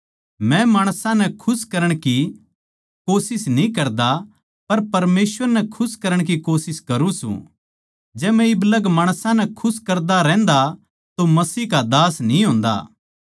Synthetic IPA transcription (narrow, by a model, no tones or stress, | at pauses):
mɛ̃maːɽ̃sãnɛkʰʊskɐɾəɽ̃ki | koːsɪsnĩkɐɾd̪a | pɐɾpɐɾmeːsʋəɾnɛkʰʊskɐɾəɽ̃k̬ikoːsɪskɐɾũsṵ̃ | d͡ʒɛːmɛ̃ɪbləɡmaːɽ̃sãnɛkʰʊskɐɾd̪aɾɛ̃ːnd̪a | t̪omɐsiːkad̪aːsnĩɦõːnd̪a̰ː